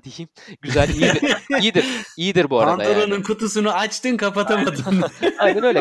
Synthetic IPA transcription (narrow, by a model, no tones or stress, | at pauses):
d̪ejimɟyzælʲijiiɾijid̪iɾijid̪iɾbuaɾanaj̪oɾonɯnkʰut̪us̬unuat͡ʃt̪ɯnkʰapat̪ʰamad̪ɯnajnænølʲɛ